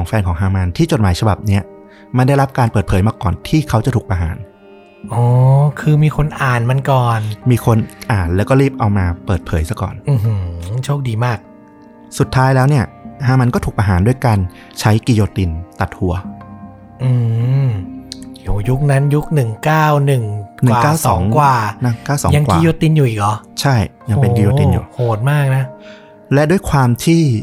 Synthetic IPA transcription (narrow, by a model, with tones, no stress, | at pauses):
ɔː˩˦ŋfɛː˧nkʰɔː˩˦ɦaː˧ma˧nt̪ʰiː˥˩t͡ɕo˨˩t̪̚maː˩˦jt͡ɕʰa˧ba˨˩p̚ni˦˥ɐ | ma˧nda˥˩jɾa˦˥p̚kaː˧npɤː˨˩t̪pʰɤː˩˦jmaː˧kɔː˨˩nt̪ʰiː˥˩kʰa˦˥wt͡ɕa˨˩t̪ʰuː˨˩kpʔa˧ɦa̰ː˩˦n | ʔɔː˧˦kʰɯː˧miː˧kʰo˧nʔaː˨˩nma˧nkɔː˨˩nmiː˧kʰo˧nʔaː˨˩nlɛː˦˥wkɔː˥˩ɾiː˥˩p̚ʔa˧wmaː˧pɤː˨˩t̪̚pʰɤː˩˦jsa˧˩kɔ̰ː˨˩nʔɯː˧ɦɯ˦t͡ɕʰoː˥˩k̚diː˧maː˥˩k̚ | su˨˩t̪ʰːaː˦˥jlɛː˦˥wni˥˩ɐhaː˦˥˩ma˧nkɔː˥˩uː˨˩pa˧˩ɦaː˩˦ndu˥˩əjkaː˧n | t͡ɕʰa˦˥jki˧joː˧t̪i˧nt̪a˨˩t̪̚hu˩˦ɐ | ʔɯː˧m | o˨˩ju˦˥k̚na˦˥nju˦˥k̚nɯ˨˩ŋkaː˥˩wnɯ˨˩ŋnɯː˨˩˨kaː˥˩wsɔː˨˩˦ŋkwaː˨˩na˦˥kaː˥˩wsɔː˩˦ja˧ŋkwkːi˧˨˧joː˧t̪i˧njuː˨˩ʔiː˨˩k̚ʔɔː˨˧˩t͡ɕʰa˥˩j | ja˧ŋpe˧nk̬i˧joː˧i˧njṵː˨˩hʰoː˨˩t̪̚maː˥˩k̚na˦˥ | lɛ˦˥ʔdu˥˩jkʰwaː˧mt̪ʰiː˥˩